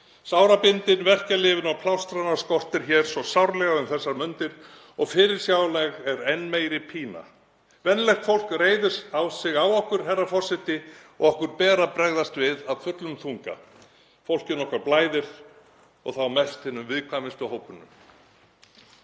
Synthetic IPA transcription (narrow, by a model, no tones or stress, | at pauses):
sawɾapɪnt̪ɪnvɛr̥calɪːvɪnawpʰlawst̪ɾanaɾskɔr̥t̪ɪɾ̥çɛːɾ̥svɔsawɾlɛɣaʏmθɛsːaɾmʏnt̪ɪɾ̥ | ɔɣfɪːɾɪɾ̥sjaːwlɛɣɛɾɛnːmeːjɾɪpʰiːna̰ | vɛnlɛxt̪fowl̥kreːjðʏ̥sawsɪɣawɔhkʏɾ̥ɦɛrːafɔr̥sɪt̪ɪɔ̰ɣɔhkʏɾpɛːɾapɾɛɣðast̪vɪðaðfʏt̪lʏmθuŋka̰ | fowl̥cɪnɔhkaɾplaːjðɪɾ̥ | ɔ̰ɣθawmɛst̪hɪnːʏmvɪðkʰvamɪst̪ʏhowpʏnːʏm